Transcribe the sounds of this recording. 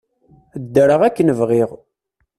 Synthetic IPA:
d̪ːəɾəʁækːənəvʁiʁ

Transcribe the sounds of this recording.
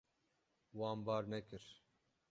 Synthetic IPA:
wɑːmbɑːɾnɛkɨɾ

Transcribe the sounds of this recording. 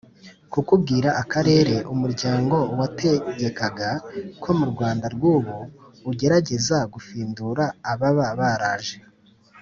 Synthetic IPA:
kukub̚ɡiːɾaʔakaɾe̞ːɾe̞ʔumuɾɟaːŋɡo̞wate̞ɟe̞kaɡakʰo̞muɾɡwaːndaɾɡwuːβoː | ɟe̞ɾaɟe̞zaɡufiːnduɾaːβaβaβaɾaːʒe

